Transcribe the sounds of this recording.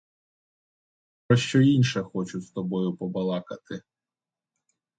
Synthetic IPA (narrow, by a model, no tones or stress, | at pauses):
pɾɔʃt͡ʃɔinʲʃɛxɔt͡ʃʊst̪ɔbɔjʊpɔbɐlˠɑkɐt̪ɪ